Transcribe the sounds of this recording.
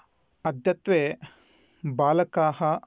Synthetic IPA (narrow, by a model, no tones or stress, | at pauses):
ɐd̪ʱjɐt̪ʋeː | baːlɐkaːɦɐ